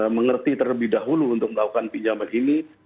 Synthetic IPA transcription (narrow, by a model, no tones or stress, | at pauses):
məŋərt̪it̪ərləbɪhdaɦuluːnt̪ʊk̚məlakukanpiɲd͡ʒamanʔini